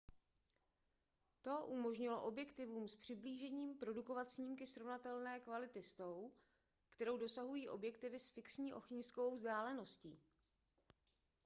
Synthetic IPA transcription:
t̪o̞ʔumo̞ʒɲɪloʔo̞bjɛkt̪ɪvuːmspr̝̥ɪbliːʒɛɲiːmpɾo̞duko̞vat̪sɲiːmkɪsɾo̞vnat̪ɛlnɛːkvalɪt̪ɪst̪o̞w | kt̪ɛɾo̞wdo̞saɦujiːʔo̞bjɛkt̪ɪvɪsfɪksɲiːʔo̞̰xɪɲskovowzdaːlɛno̞sciː

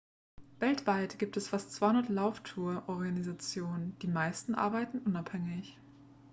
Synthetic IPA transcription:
vɛltv̥aɪtɡ̥iːp̚tʰɛsfastt͡sv̥aɪʊndɐtlaʊftʰuːɐʔɔʁɡanizat͡sjoːnənd̥iːmaɪstn̩ʔa̰ɐbaɪtn̩ʔʊnaphɛŋɪç

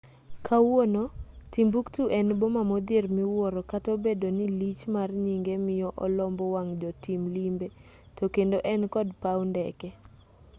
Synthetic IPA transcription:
kʰawwonotimbuktuʔɛnbomamɔd̪ɪrmɪwɔɾɔkatobedonilit͡ʃmarɲiŋɡemɪjɔʔɔlɔmbɔwaŋd͡ʒɔtimlimbe | tokendoʔɛnkɔdpawndɛkɛ

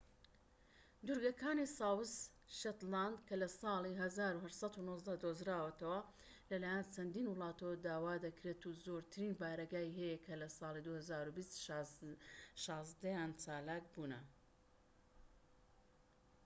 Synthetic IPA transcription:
d̪uɾɡɐkʰaːnisɑːwɨs | ʃɐt̪land̪kɐlɐsɑːlˠiɦɐzaːɾuhɐʃsɐt̪unozd̪ɐd̪ozɾaːwɐt̪ɐwɐ | lɐlaːjɛnt͡ʃʰɐnd̪iːnwɨlˠɑːt̪ɐwd̪aːwaːd̪ɐkɾeːt̪uzoːɾt̪ʰɨɾiːnbaːɾɐɡaːjiɦɐjɐkʰɐlɐsɑːlˠid̪uhɐzaːɾubist̪ | ʃɑːzd̪ɐjaːnt͡ʃaːlaːk̚buːnɐ

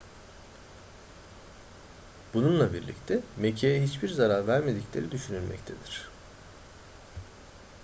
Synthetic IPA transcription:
bununlˠabiɾlʲḭct̪ʰɛme̞cʰejɛɦit͡ʃbiɾzaɾaɾvæɾme̞d̪iclʲe̞ɾid̪yʃynylʲmɛ̰ct̪ʰe̞d̪iɾ̝̥

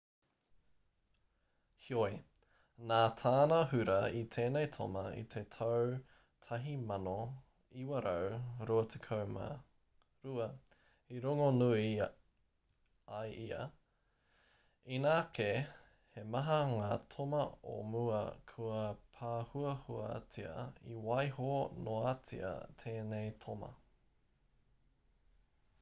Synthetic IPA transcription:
hioj | naːtʰaːnɐɦʉɾɐit̪ʰeːnejtʰo̰mɐḭt̪ʰetʰɐw | tʰɐɦimɐno | iwɐɾɐwɾoɐt̪ʰekʰɐwma̰ | ɾuɐ | iɾoŋonui | ɐjʔiɐ̰ | inaːke | hemɐɦɐŋaːtʰomɐo̰muɐ̰kʰuɐpʰaːhuɐhuɐ̰t͡siɐ̰ḭwɐjɦonoat͡sḭɐ̰tʰeːnejtʰomɐ̰

